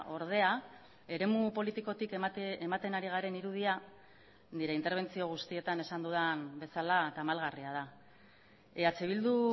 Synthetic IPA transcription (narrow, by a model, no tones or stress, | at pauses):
o̞ɾð̞e̞a | e̞ɾe̞mupo̞lit̪iko̞t̪ikemat̪e̞naɾiɣ̞aɾe̞niɾuð̞ia | niɾe̞int̪e̞ɾβ̞e̞nt͡sio̞ɣ̞ust̪ie̞t̪ane̞sand̪uðanbe̞salat̪amalɣariað̞a | eat͡seβ̞ild̪u